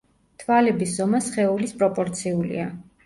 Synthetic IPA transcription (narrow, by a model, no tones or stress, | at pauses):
t̪ʰvalɛbiszɔmasχɛulispʼɾɔpʼɔɾt̪sʰiulḭa